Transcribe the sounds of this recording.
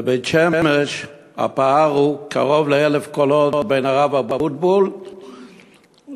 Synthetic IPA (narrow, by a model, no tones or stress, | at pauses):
ebejtʃemmeʃ | a̰paaʁukʰa̰ʁo̞vleelefkolott̚bejnaʁavabafut̚bol